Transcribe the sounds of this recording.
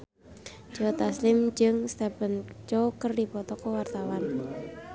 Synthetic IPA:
d͡ʒ̥ɔt̪aslɪmd͡ʒɨŋst̪ɛpənt͡ʃɔkərdipɔt̪ɔkɔwart̪awan

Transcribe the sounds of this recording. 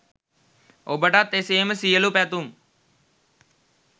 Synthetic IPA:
oːbəʈaːt̪eseːməsiːəlupɛːt̪um

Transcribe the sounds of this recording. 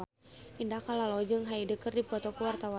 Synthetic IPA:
indakalalɔd͡ʒəŋɦaidəkərdipɔt̪ɔkuwart̪awa

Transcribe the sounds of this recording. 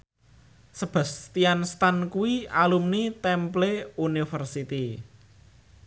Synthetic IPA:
səb̥a̤st̪ianst̪ankuwialumnit̪ɛmpleunifərsit̪i

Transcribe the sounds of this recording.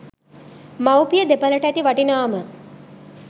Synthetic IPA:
mawpijəd̪epələʈæt̪iʋaʈinaːmə

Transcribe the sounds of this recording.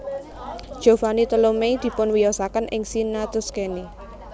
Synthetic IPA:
d̥ʒ̥ovanit̪əlomejd̪̥i̤pʊnwijɔsakənʔɪ̰ŋsinat̪ʊskeni

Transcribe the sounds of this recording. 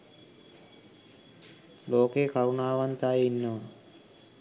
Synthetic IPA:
loːkeːkaɾunaːʋant̪ajinːəʋə

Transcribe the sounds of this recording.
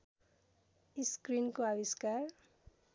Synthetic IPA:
iskrinkoabiskar

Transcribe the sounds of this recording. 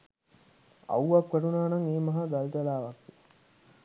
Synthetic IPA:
ɐ̰wʋɐkʋɐʈunaːnɐŋeːmɐɦaɡɐlt̪ɐlaːʋɐkʋi

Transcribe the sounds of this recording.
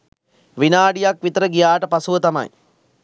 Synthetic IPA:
ʋinaːɖijakʋit̪əɾəɡijaːʈəpasuʋət̪ama̰j

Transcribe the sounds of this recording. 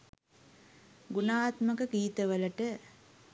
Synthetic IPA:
ɡunaːt̪məkəkiːt̪əʋələʈə

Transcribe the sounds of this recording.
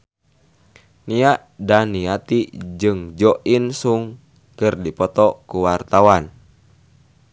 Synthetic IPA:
niaʔdaniat̪id͡ʒɨŋd͡ʒɔʔinsuŋ | kɨrdipɔt̪ɔkuwart̪awan

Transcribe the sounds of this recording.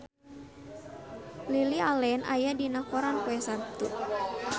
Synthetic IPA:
lilialɛnʔa̰jadinakɔɾankuɛsap̚t̪u

